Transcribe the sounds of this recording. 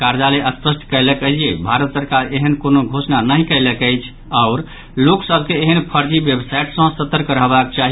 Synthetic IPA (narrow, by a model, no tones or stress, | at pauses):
kaɾd͡ʒaleʔəspəsʈʰkəɪləkəd͡ʒijebʱaɾət̪səɾkaɾeɦənkonoɡʱosnanəɦikəɪləkəjt͡ʃʰ | aʊɾ | loksəb̚ʱkeːɦənpʰəɾd͡ʒibjebsaiʈsə̃sət̪ːɾkəɾəɦbakt͡ʃaɦi